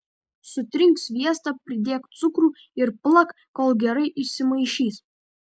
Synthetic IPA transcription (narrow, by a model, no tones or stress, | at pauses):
sʊt̪ʲɾʲɪŋksʋʲiɛst̪ɑpʲɾʲɪd̪ʲeːk̪sʊkɾuː | ɪɾplˠɐk | koːlˠɡʲɛɾɐɪʔɪʃʲsʲɪmɐɪʃʲiːs